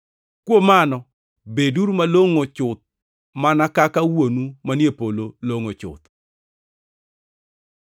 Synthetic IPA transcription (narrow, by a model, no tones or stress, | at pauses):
kwomanɔ | beduɾumaloŋot͡ʃʊt̪̚ | manakakawonumanjepololoŋot͡ʃʊ̰t̪